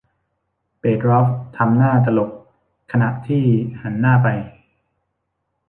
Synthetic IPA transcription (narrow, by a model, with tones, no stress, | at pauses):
peː˨˩t̪̚ɾɔ˦˥f̚t̪ʰa˧mnaː˥˩t̪a˧lo˨˩k̚ | kʰːa˧na˨˩t̪ʰiː˥˩ha˩˦nːaː˥˩pa˧j